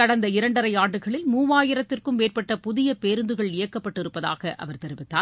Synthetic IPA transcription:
ɐɽɐnd̪ɐɪɾɐɳɖɐɾɐɪaːɳɖɯɣɐɭɪlmuːʋaːjɪɾɐt̪ːɪrkɯmːeːrpɐʈːɐpʊðɪjɐpeːɾɯnd̪ɯɣɐɭɪjɐkːɐpːɐʈːɪɾɯpːɐða̰ːɣɐʔɐ̰ʋɐɾt̪ɛɾɪʋɪt̪ːaː

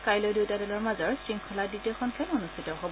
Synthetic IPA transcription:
kajlojdewtadɔlɔɹmazɔɹsɹiŋkʰɔladitɔxʰɔnkʰɛnɔnustʰitɔɦɔb

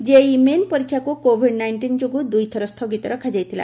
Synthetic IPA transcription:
d͡ʒeimenpɔɾikʰːjakukobʱiɖnajɳʈind͡ʒoɡud̪ujt̪ʰɔɾɔst̪ʰoɡit̪ɔɾɔkʰad͡ʒajt̪ʰila̰

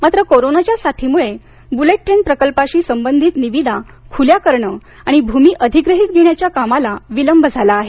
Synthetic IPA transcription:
mat̪ɾəkoɾonat͡ɕjasat̪ʰimuɭe | buleʈ̚ːɾenpɾəkəlpaɕiːsəmbənd̪ʱiːt̪niʋid̪a | kʰuljakəɾɳə | aɽ̃ibʱumiːʔəd̪ʱiɡɾəɦit̪̚ɡʱeɳjat͡ɕjakamalaʋiləmbʱəd͡zʱalaːɦe

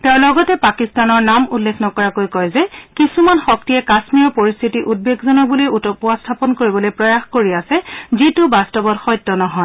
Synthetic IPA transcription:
tɛʊ̃lɔɡɔtɛpakistanɔɹnamulːexnɔkɔɹakojkɔjzɛkisumanxɔk̚tijɛkasmiɔɹpoɹist̪ʰitiʔud̚beɡzɔnɔk̚buliutɔpuastʰapɔnkoɹibɔlojpɹɔjaxkoɹiasɛzitʊbastɔbɔtxɔjtːɔnɔɦɔj

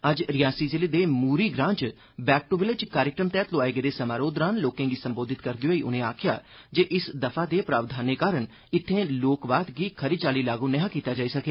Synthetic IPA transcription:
əd͡ʒɾɪjaːsiːzɪled̪eːmuːɾiːɡɾãːt͡ʃ | bɛːk̚ʈoʋɪled͡ʒkaːɾɪkɾəmt̪ɛːt̪loaːeːɡed̪eːsəmaːɾoːd̪ɾãːnloːkẽːɡiːsə̃mboːd̪ʱɪt̪kəɾd̪ioiːʔʊ̰nẽːaːkʰɪjaː | d͡ʒeːʔɪsd̪əpʰaːd̪eːpɾaːʋd̪ʱaːneːkaːɾəɳ | ɪt̪ʰːẽːloːkʋaːt̪ɡiːkʰəɾiːt͡ʃaːliːlaːɡũːnɛɦãːkiːt̪aːd͡ʒaːiːsəkeː

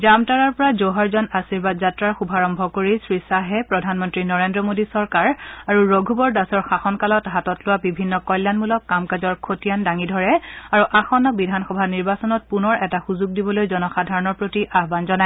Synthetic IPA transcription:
d͡ʒamtaɹaɹpɔɹazoɦaɹzɔnasiɹbadzatɹaɹxubʱaɹɔmbʱɔkoɹisɹisaɦɛpɹɔdʱanmɔntɹinɔɹendɹɔmodisɔɹkaɹaɹuɹoɡʱubɔɹdasɔɹxaxɔnkalɔtɦatɔtlʊwabibʱinːɔkɔjlːanmulɔkːamkazɔɹkʰotijandaŋidʱɔɹɛaɹuʔaxɔnɔbidʱanxɔbʱaniɹbasɔnɔt̚punɔɹɛtaxuzuɡ̚dibɔlojzɔnɔxadʱaɹɔnɔɹpɹotiʔaɦbanzɔnaɛ

